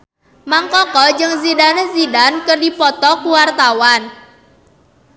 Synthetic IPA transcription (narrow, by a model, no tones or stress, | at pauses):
maŋkɔkɔd͡ʒɨŋzidanəzidankərdipɔt̪ɔkuwart̪awan